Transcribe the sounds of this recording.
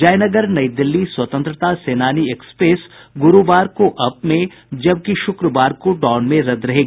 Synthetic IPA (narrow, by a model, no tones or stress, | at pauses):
d͡ʒaːjnɐɡəɾnɐjd̪ɪlːiswɐt̪ə̃nt̪ɾət̪aseːnaːniekspeːsɡʊɾubaːɾkoʔɐpmẽ | d͡ʒɐb̚kiʃʊkɾəʋaːɾkoɖɔːnmẽɾɐd̪ɾɐɦeːɡ